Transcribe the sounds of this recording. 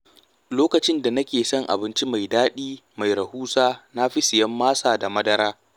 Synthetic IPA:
loː˦kɐ˨t͡ʃɪ˦nda˨nɐ˦kʲeː˨sɐ˦˨ŋʔa̰˨bɪ˦nt͡ʃi˦ma˨jdaː˦ɗiː˦ma˨jɾɐ˨huː˦saː˦na˦ɸi˦sɪ˨jɐ˦mːaː˦saː˨da˨mɐ˦dɐ˦ɾaː˦

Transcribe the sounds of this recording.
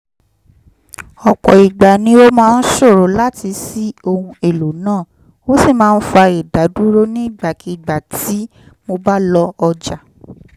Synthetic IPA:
ɔ˨k͡pɔ˨i˨ɡ͡ba˨nĩ˧˦o˦mãː˦˧n̩˦ʃo˦˨ɾo˨˦la˦ti˧si˦o˧hũ˧e˨lo˨nãː˦˨ | o˦si˦˨mãː˦˧˦n̩˦fa˧i˨da˨˦du˦ɾo˦nĩ˦i˦˨ɡ͡ba˨ki˨˧˨ɡ͡ba˨ti˨˦ | mo˧ba˦lɔ˧ɔ˧d͡ʒa˨

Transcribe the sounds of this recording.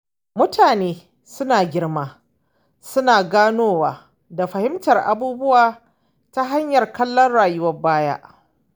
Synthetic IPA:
mʊ˦tʰaː˨neː˦ | sʊ˦naː˨ɡʲɪ˦rmaː˦ | sʊ˦naː˨ɡaː˦noː˦waː˨ | da˨ɸɐ˨hɪ˦mtɐ˨rʔa̰˨buː˦bʊ˦waː˨ | ta˦ɦa˦ɲjɐ˨rkɐ˦lːɐ˦nɽaː˨jʊ˦wɐ˦baː˦ja̰˦ʔ

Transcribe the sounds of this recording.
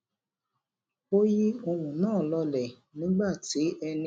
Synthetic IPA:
o˦ji˦o˧wũ˨nãː˦˨lɔ˧lɛ˨ | nĩ˨˦ɡ͡ba˦˨ti˨˦ɛ˧ñ

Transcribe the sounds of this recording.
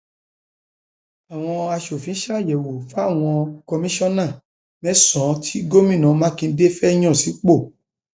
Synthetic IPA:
a˨w̃ɔ̃˧a˧ʃo˨fĩ˨˦ʃa˦˨jɛ˨wo˨fa˦˨w̃ɔ̃˧kɔ˧mĩ˦ʃɔ̃˦nã˦˨ | mɛ̃˨˦sɔ̃˨˦tʰi˦ɡo˦mĩ˦˨nã˨˦˧mã˦kĩ˧n̩˦de˦fɛ˦j̃ɔ̃˦˨si˨˦k͡po˦˨

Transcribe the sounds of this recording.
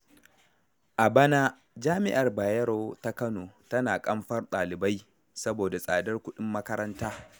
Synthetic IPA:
ʔa˨bɐ˦na˦ | d͡ʒaː˦mɪ˦ʔa˨rbaː˨jɐ˦ɾoː˦ta˦kɐ˦noː˨tɐ˦naː˨kʼɐ˦mɸɐ˦rɗaː˨lɪ˨ba˦j | sɐ˦boː˨da˨sʼa̰ː˨dɐ˦rkʷʊ˦ɗɪ˦mːɐ˦kɐ˦ɾɐ˦ntaː˦

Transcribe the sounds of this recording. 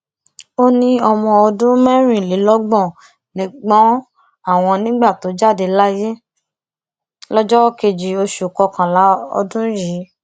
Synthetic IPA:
o˦nĩ˧ɔ˧mɔ̃˧ɔ˧dũ˦mɛ̃˦ɾ̃ĩ˦˨li˨˦lɔ˦ɡ͡bɔ̃˦˨ | nĩ˨ɡ͡bɔ̃˨˦ | a˦˨w̃ɔ̃˧nĩ˦ɡ͡ba˦˨to˨˦d͡ʒa˦˨de˧la˦je˦ | lɔ˦d͡ʒɔ˦ke˧d͡ʒi˨o˧ʃu˨kɔ˧kã˨la˨˦ɔ̰˧dũ˦ji˨˦

